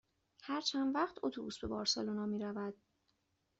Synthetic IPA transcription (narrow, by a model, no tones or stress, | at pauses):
hæɾt͡ʃʰænd̪væχt̪ʰot̪ʰubusbe̞bɒːɾsɒlonɒːmiːɾævæd̪̥